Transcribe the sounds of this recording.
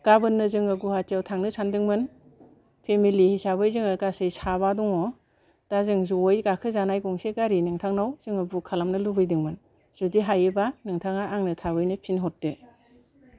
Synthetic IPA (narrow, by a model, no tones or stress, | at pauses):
ɡ̥abɯnːɯzɯŋɯɡuhatijawtʰaŋnɯsandɯŋmɯn | pʰemilihisabɯjzɯŋɯɡasɯjsaβadɔŋɔ | d̥azɯŋzujɡakʰɯzanajɡɔŋseɡaɾinɯŋtʰaŋnawz̥ɯŋɯbukʰalamnɯlubɯjdɯŋmɯn | z̥udiɦajɯbanɯŋtʰaŋaʔːŋnɯtʰabɯjnɯpʰinɦɔt̚de